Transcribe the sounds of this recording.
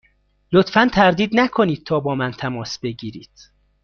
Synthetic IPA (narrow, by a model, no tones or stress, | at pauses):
lot̪fænt̪ʰæɾd̪iːd̪nækʰo̞niːd̪̥̚t̪ʰɒːbɒːmænt̪ʰæmɒːsbe̞ɟiːɾiːd̪̥